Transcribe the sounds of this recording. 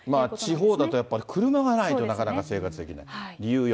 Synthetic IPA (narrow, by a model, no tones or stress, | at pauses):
maːt͡ɕiɦo̞ːd̪at̪o̞japːaɾʲikʰɯ̟ɾɯ̟maɡanait̪o̞nakanakase̞ːkat͡sɨ̥t̪e̞kʲina̰iɾʲijɯ̟ːj